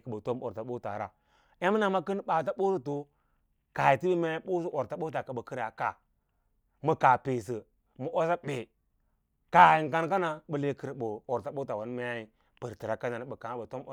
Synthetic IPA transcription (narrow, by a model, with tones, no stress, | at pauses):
kə˨bə˨to˦mo̰˨ɾta˨ɓo˦ta̰˨ɾa˨ | ja˦mi˦na˨ma˦kə˦n˦ɓa˨t̬a˦ɓo˦su˦to˨ | ka˨ji˨ti˦bə˦ma˦a˦i˦ɓo˦s̬u˦ʔo˨ɾta˦ɓo˦ta˨ka˨bə˨kə˦ɾja˨ka˨ | mə˨ka˨pe˨s̬ə˨ | mu˨ʔo˦sa˦ɓe˨ | ka˨i˨ŋ˨ka˦nka˦na˨ɓə˨le˦kə˦ɾɓo˨o˨ɾta˨ɓo˦ta˨wa˨˦n˦ma˦a˦i˦ | pə˨ɾti˨ɾa˨ka˦na˨ni˦ɓə˨ka˨ŋ˦bə˨to˦m˨